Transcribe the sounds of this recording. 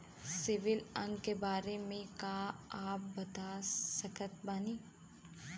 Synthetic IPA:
sɪʋɪlɐ̃ŋkebaːɾemẽkaːaːp̚bɐt̪asɐkʰət̪baːniː

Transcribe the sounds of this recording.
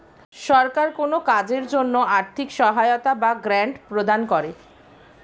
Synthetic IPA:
ʃɔɾkaɾkonokad͡ʑeɾd͡ʑonːoaɾt̪ʰikʃɔɦaeot̪abaɡɾaɳɖpɾod̪ankɔɾe

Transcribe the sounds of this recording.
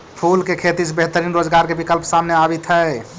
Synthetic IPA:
pʰulkekʰet̪isbeɦt̪əɾinɾod͡ʒɡaɾkebikəlpsamneabit̪ɦɛe

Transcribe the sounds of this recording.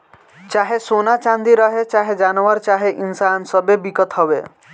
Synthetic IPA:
t͡ʃaɦesonat͡ʃand̪iɾɔɦet͡ʃaɦed͡ʒanoaɾt͡ʃaɦeʔinsansɔbebikɔt̪ɦɔbe

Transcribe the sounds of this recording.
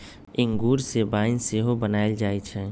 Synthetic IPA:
ɪŋɡuːɾsebaːɪnseɦobənaːɪld͡ʒaːet͡ʃʰɛː

